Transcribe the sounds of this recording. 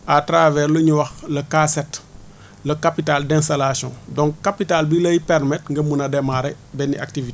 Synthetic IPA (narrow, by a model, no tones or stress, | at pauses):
atɾavɛːɾluɲuwɐxlɐkaset | lɐkapitaldẽnstalasiɔ̃dɔŋkkːapitalbiləjipɛɾmɛtŋɡɐmunadɛmaɾɛ | bɛniʔa̰ktivi